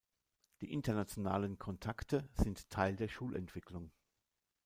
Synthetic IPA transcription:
d̥ḭːʔɪntɐnat͡sjonaːlənkʰɔntʰaktʰəz̥ɪntʰːaɪldeːɐʃuːlʔɛ̰ntv̥ɪklʊŋ

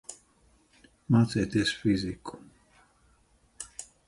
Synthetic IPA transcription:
mat͡set̪esfizikʰo̥

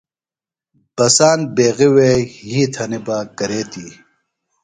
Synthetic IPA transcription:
b̥ɐsaːnbeːɣiweːhiːt̪ʰɐnibaːkɐɾeːt̪iː

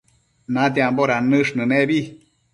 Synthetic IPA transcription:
nad̪iamboɾanɨʂnɨneβi

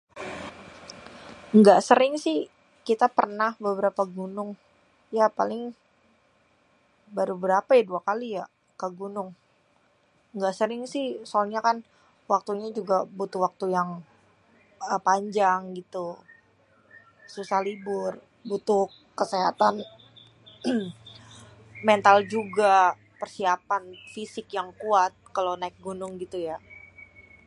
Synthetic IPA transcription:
ŋɡaʔsəɾɪŋsɪh | kit̪apərnahbəbəɾapaɡunʊŋ | japalɪŋ | baɾubəɾapajaduakalija | kəɡunʊŋ | ŋɡaʔsəɾɪŋsɪhsoalɲakan | wak̚t̪uɲad͡ʒuɡabut̪ʊhwak̚t̪ujaŋ | əpaɲd͡ʒaŋɡit̪u | susahlibʊr | but̪ʊ | kːəseɦa̰t̪an | mɛnt̪ald͡ʒuɡa | pərsiapanfisɪkjaŋkuat̪̚kalonaɪk̚ɡunʊŋɡit̪uja

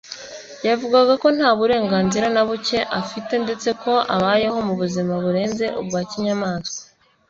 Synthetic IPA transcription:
javuɡaɡako̞n̥haːβuɾe̞ːŋɡaːnziɾanaβuce̞ʔafite̞nde̞t͡se̞ko̞ʔa̰βaːje̞ho̞muβuzimaβuɾe̞ːnze̞ʔubɡaːciɲamaːske̥

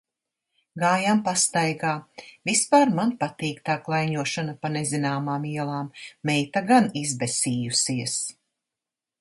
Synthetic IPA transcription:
ɡaːjampast̪ajɡaːvispaːɾmanpat̪iːkt̪aːklˠajɲuɔʃanapanezinaːmaːmiɛlˠaːmːɛjt̪aɡanizbɛsiːjusiɛs

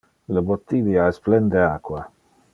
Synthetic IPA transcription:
ləbot̪ːid̪jaɛsplɛnd̪eakwa

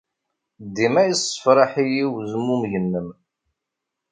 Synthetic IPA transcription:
d̪ːimæjəsˤə̥fɾˤɑħijiwzəmːumʝənːəm

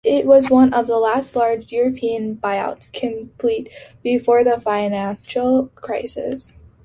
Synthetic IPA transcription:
ɪʔ̚wʌzwʌ̃nʌvðəlæstˡlɑɹd͡ʒjʊɹɨpʰiɨ̃nbaɪa̰ʊtskʰɨ̃mpʰl̥it̚b̥ɨfɔɹðəfãɪnæ̃nʃl̩ˠkʰɹ̥aɪsɪ̰s

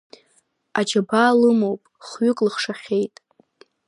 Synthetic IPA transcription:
ad͡ʒabalɨmowpʼχɥʏkʼlɨχʂaχʲe̞jtʼ

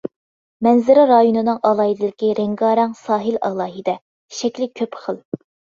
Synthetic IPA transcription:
mɛnzɪɾɪɾɑjunɨnɨŋʔɑlˠɑːɦid̪ɪlɪkʲiɾeŋɡɑːɾɛŋsɑːɦɨlɑ̰lˠɑːɦid̪ɛ | ʃɛkʲlɪkʲʰøpχəlˠ

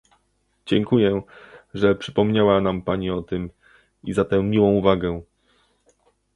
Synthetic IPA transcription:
d͡ʑɛŋkujɛʐɛpʂɘpɔmɲawanampaɲiɔt̪ɘm | izat̪ɛmʲiwɔ̃w̃uvaɡɛ

